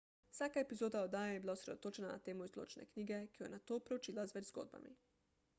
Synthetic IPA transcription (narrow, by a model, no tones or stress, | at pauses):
saːkaepizoːd̪aod̪aːjejebiːlausɾed̪ot̪oːt͡ʃɛnana̰t̪eːmuizlo̰ːt͡ʃnḛkniːɡekijojnat̪oːpɾeut͡ʃiːlazʋɛd͡ʒzɡo̰ːd̪̚ba̰mḭ